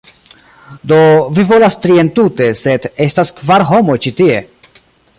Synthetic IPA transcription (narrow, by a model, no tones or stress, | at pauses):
do̞vivo̞lastɾie̞ntute̞se̞de̞staskvaɾɦo̞mo̞t͡ʃitie̞̰